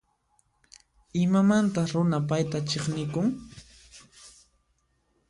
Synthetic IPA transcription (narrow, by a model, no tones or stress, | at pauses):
ɪmamant̪aχɾʊnapajt̪at͡ʃeχnɪkʊŋ